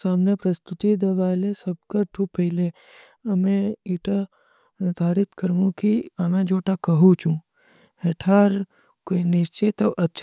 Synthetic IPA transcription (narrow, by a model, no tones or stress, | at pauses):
saːmnepɾɐst̪ʊt̪id̪eʋaːlesəb̚kaʈʰuːpːəɦɪle | əmẽiʈa | nd̪ʱaːɾɪt̪kəɾʋũkiəmẽd͡ʒoːʈakəɦũt͡ʃʰũ | ɦeʈʰaːɾ | koinɪʃt͡ʃet̪ɐʔɐtːʃʰ